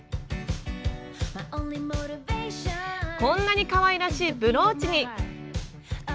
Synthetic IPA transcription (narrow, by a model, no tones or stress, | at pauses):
maɪʔõʊ̃nlimoʊɾɪveɪʃəkõ̞nːaɲ̟ikaβaiɾaɕiːbɯ̟ɾo̞ːt͡ɕiɲ̟i